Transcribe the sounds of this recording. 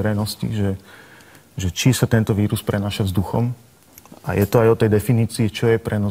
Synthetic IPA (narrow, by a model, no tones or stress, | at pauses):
ɾɛjnɔscḭʒɛ | ʒɛt͡ʃisat̪ɛnt̪ɔʋiːɾuspɾɛnaːʃavzd̪uxɔ̰m | a̰jɛt̪ɔajɔt̪ɛjd̪ɛfiniːt͡siit͡ʃɔjɛpɾɛnɔ